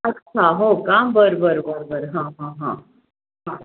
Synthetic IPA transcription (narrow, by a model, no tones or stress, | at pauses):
ɐtːt͡ʃʰaɦokaːmbəɾbəɾbəɾbəɾɦãɦãɦã | ɦã